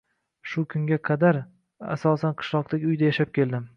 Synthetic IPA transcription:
ʃʊkʰʊŋɡʲaqʰɑd̪aɾ | a̰sɒsanqʰɨ̥ʃlˠɒq̚t̪ʰakʲʊjd̪ajaʃap̚kʲʰe̞ld̪ɪm

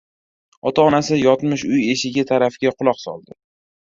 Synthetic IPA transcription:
ɒt̪ʰaɒnasɪjɒt̪mɪʃʊje̞ʃɪɡʲat̪ʰaɾafɪɡʲaqʰʊlˠɒqsɒ̰lˠd̪ɪ

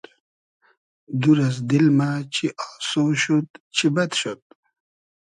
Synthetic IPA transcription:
d̪uɾazd̪ilmat͡ɕʰiʔɑːsoɕut̪t͡ɕʰibɐd̪ɕot̪̚

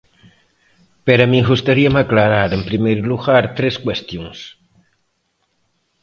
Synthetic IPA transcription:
peɾamĩɣust̪aɾiamaklaɾaɾempɾimejɾluɣaɾt̪ɾeskwest̪joŋs

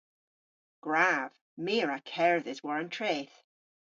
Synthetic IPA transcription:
ɡ̥ɹav̥ | miːəɹakʰɛɹðɪzwɔɹə̃ntʰɹ̥eːθ

